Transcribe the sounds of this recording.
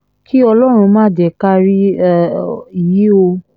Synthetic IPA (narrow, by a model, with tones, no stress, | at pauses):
kʰi˦ɔ˧lɔ˦ɾ̃ũ˧mãː˦˨dɛ˨ka˦ɾi˦˨ | i˨ji˨˦o˧